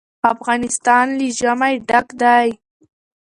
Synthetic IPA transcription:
afɣɑnɪst̪ɑnliʒamajɖakd̪aj

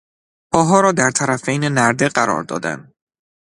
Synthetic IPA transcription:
pʰɒːɦɒːɾɒːd̪æɾt̪ʰæɾæfejnenæɾd̪e̞ɢæɾɒ̰ːɾd̪ɒ̰ːd̪æ̰nd̪

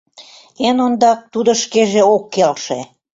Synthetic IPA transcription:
enond̪ɑk̚t̪ud̪ə̆ʃkeʒeokːelʃe

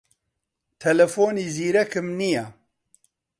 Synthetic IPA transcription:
t̪ʰɛlɛfoːniːziːɾɛkɨmnija

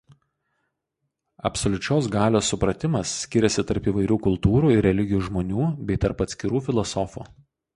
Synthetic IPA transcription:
ɐ̰psolʲʊt͡ʃʲoːsɡɑːlʲoːsːʊpɾɐt̪ʲɪmɐsːʲkʲɪɾʲɛsʲɪt̪ɐɾpiːʋɐɪɾʲuːkʊlˠt̪uːɾuːɪɾʲɾʲɛlʲɪɡʲɪjuːʒmoːnʲuːbʲɛɪt̪ɐɾpɐt̪ʲsʲkʲɪɾuːfʲɪlˠɔsɔfṵː

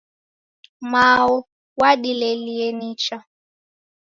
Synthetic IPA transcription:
maɔ | waɗilɛliɛnit͡ʃa

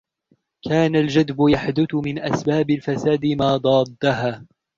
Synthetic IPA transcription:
kʰaːnald͡ʒad̪bʊjaħd̪ʊt̪ʊmɪnʔasbaːbɪlfasaːd̪ɪmaːd̪ˤɑːd̪ːaɦaː

